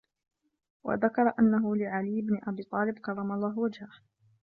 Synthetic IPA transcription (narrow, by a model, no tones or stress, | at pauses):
wʔa̰ðakɑɾˤɑʔanːaɦʊlɪʕalɪjːɪbnɪʔabiːt̪ˤɑːlɪbkɑrˤːɑmɑlˤːɑːɦwad͡ʒha